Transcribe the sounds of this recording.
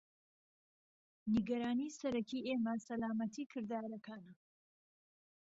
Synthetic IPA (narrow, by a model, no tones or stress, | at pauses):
niɡɐɾaːnisɐɾɐkiʔeːmɐsɐlaːmɐt̪ʰiːkʰɨɾd̪aːɾɐkʰaːnɐ